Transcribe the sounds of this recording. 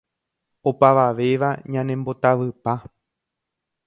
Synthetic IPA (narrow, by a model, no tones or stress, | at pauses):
opaʋaʋe̞ʋaɲãnẽmbo̞t̪aʋɨpa